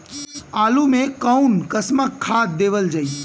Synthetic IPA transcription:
kaːlumẽkəunkəsməkʰːaːd̪̚d̪eːʋəld͡ʒaːi

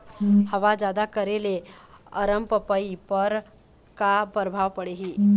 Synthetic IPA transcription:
həʋad͡ʒad̪akəɾeleə̰ɾəmpəpəipəɾ | kapəɾbʱaʋpəɽeɦi

